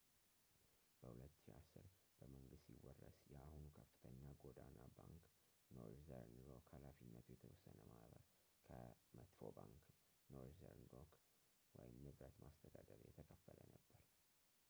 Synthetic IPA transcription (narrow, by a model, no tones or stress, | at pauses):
b̥əhulət̪ːʃiasːɨɾb̥əməŋɡɨst̪jiwɔrːəsjɛahunukʰəfːɨ̥t̪ʰəɲːaɡod̪anabaŋk | noɾzəɾnɾokhalafinːət̪ʰujɛt̪ʰəwɔsːənəmaβəɾ | kʰəmət̪fo̞baŋk | noɾzəɾnɾok | wɔjɪmnɨβɾət̪mʔast̪ʰəd̪ad̪əɾjɛt̪ʰəkʰʼəfːələnəbːəɾ